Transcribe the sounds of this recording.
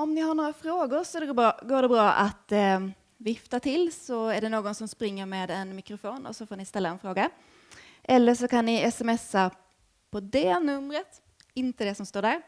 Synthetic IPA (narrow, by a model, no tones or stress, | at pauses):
ɔmnɪɦaɳoːɾafɾoːɡʊɾsɔæɖɛɡbːɡoːɖɛbɾɑːʔat̪ | vɪft̪at̪ʰɪlːsɔæɖɛnoːɡɔnsɔmspɾɪŋːəɾmeːd̪ɛnmɪkɾʊfoːnɔ̰sɔfoːɳɪst̪ɛlːaɛnfɾoːɡa | ʔɛlːəʂɔkanːɪɛsɛmɛsːa | pʰɔd̪ɛnɵmːɾət̪ | ɪnt̪əd̪ɛsɔmst̪oːɖæːɾ